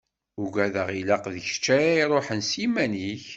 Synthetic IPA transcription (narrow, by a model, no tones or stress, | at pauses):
ʊɡæðəʁilæqðəçə̥t͡ʃːæɾaiɾˤoħənsimæniç